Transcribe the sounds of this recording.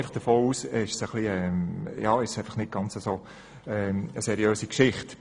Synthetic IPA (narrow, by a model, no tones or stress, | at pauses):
ɪfəχd̥əfoːuːsɪʃsəχliɛjɑːɪʃsæɪfɑχnɪt̚ɡ̥ɑnt͡səsoː | ɛəsɛɾjøːsikʃɪχt